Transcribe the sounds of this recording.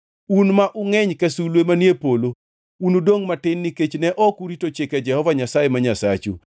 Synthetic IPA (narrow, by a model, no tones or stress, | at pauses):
unmaʔʊŋɛɲkɛsulwemanjepolo | unudoŋmatɪnːiket͡ʃnɛʔɔkuɾitot͡ʃɪkɛd͡ʒɛhɔvaɲasajemaɲasat͡ʃṵ